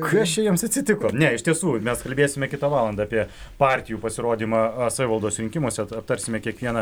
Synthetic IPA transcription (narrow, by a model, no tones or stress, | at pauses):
kit͡ʃʲɛjɛmsɐt̪ʲsʲɪt̪ʲɪkoːnʲɛɪʃt̪ʲiɛsuːmʲɛskɐlʲbʲeːsʲɪmʲɛkʲɪt̪ɑʋɑːlˠɐnd̪ɑːpʲiɛ | pɑːɾʲt̪ʲɪjuːpɐsʲɪɾoːd̪ʲiːmɑsɐːʋʲɪʋɐlˠd̪oːsɾʲɪŋʲkʲɪmoːsʲɛɐp̚t̪ɐɾʲsʲɪmʲɛkʲiɛkʋʲiɛnɐ